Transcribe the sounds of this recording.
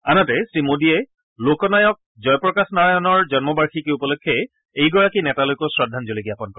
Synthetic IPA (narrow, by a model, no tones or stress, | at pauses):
anɔtɛsimodiɛ | lokɔnajɔk̚ | zɔjpɹɔkasnaɹajɔnɔɹd͡ʒɔnmɔbaɹxikeupɔlokʰːɛ | ejɡɔɹakinɛtalojkɔsɹɔdʱanzolikiapɔnkɔɹɛ